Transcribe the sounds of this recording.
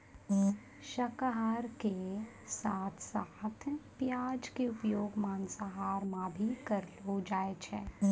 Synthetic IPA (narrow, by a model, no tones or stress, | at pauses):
ʃɐkaɦaːɾke | saːt̪ʰsaːt̪ʰpjaːd͡ʒkeʊpjoːɡmaːnsaɦaːɾmãbʱikɐɾɦod͡ʒaːet͡ʃʰɛː